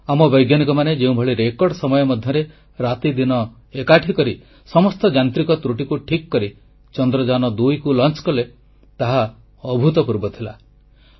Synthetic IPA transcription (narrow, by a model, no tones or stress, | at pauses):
amɔbɔjɡjanikɔmaned͡ʒeũbʱɔɭiɾekɔɾɖsɔmɔjɔmɔd̪ʱjɔɾe | ɾat̪id̪inɔ | ekaʈʰikɔɾi | sɔmɔst̪ɔd͡ʒant̪ɾikɔt̪ɾuʈikuʈʰikːɔɾi | t͡ʃɔnd̪ɾɔd͡ʒanɔd̪ujkulɔnt͡ʃkɔle | t̪aɦa | ɔbʱut̪ɔpuɾbɔt̪ʰila̰